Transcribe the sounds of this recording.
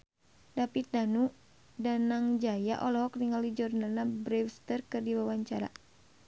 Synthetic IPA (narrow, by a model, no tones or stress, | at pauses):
dapit̪̚danu | danaŋd͡ʒaja̰ʔɔlɔɦɔkniŋalid͡ʒurnalnabɾɛwst̪ərkɨrdiwawaɲt͡ʃaɾa̰